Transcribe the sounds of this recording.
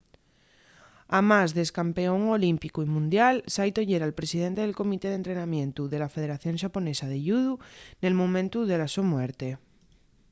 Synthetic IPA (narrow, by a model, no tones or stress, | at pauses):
amazðeskampe̞o̞ŋo̞limpikuimũnd̪jalsajt̪o̞ʝeɾalpɾe̞sið̞e̞nt̪eelko̞mit̪e̞ð̞ent̪ɾe̞namjẽ̞nt̪uðe̞lafe̞ð̞e̞ɾaθjõ̞ŋʃapo̞ne̞saðeʎuðune̞lmõmẽnt̪uðe̞lasumweɾt̪e̞